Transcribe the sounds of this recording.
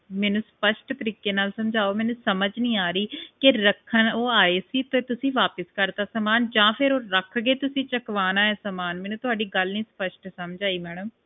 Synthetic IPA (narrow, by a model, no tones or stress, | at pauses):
mɛːnũːspəʃʈt̪əɾiːkeːnaːlsəmd͡ʒʱaːoːmɛːnũːsəməd͡ʒnĩːaːɾiːkɪɾəkʰːənoːaːeːsiːt̪eːt̪ʊsĩːʋaːpəskəɾd̪aːsəmaːnd͡ʒãːpʰɪɾoːɾəkʰɡeːt̪ʊsĩːt͡ʃəkʋaːnaːɛːsəmaːnmɛːnũːt̪ʊaːɖiːɡəlnĩːspəʃʈsəmd͡ʒaːiːmɛːɽəm